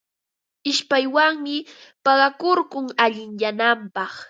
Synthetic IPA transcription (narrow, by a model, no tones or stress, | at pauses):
ɪʃpajwaŋmɪpɑɢɑkoɾɢʊŋaʎɪŋjanampɑχ